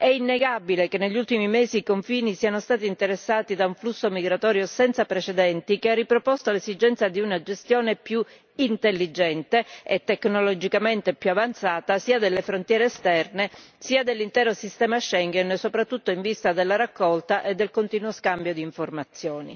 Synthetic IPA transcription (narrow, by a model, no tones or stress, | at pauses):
ɛinːeɡabilekenːeʎːult̪imimeːziːkoɱfiːnisiːanost̪aːt̪iːnt̪eɾesːaːt̪id̪auɱflusːomiɡɾat̪ɔːɾjosɛnt̪sapɾet͡ʃed̪ɛnt̪ikearːipɾopost̪olezid͡ʒɛnt̪sad̪iunad͡ʒest̪joːnepju | int̪elːid͡ʒɛnt̪eet̪ːeknolod͡ʒikament̪epjuavant̪saːt̪asiːad̪elːefɾont̪jɛːɾeːst̪ɛrnesiːad̪elːint̪ɛːɾosist̪ɛːmaʃɛŋɡɛnsopɾat̪ːut̪ːoiɱvist̪ad̪elːaɾakːɔlt̪aʔed̪ːelkont̪iːnwoskambjod̪iːɱformat̪sːjoːnḭ